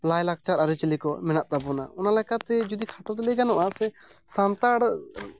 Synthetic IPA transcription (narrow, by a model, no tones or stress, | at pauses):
lajlak̚t͡ʃaɾaɾit͡ʃlikɔmɛnaʔt̪abɔna̰ʔɔnalɛkat̪ɛd͡ʒud̪ikʰaʈɔt̪̬ɛlɛɡanɔʔaʔsɛsant̪aɽ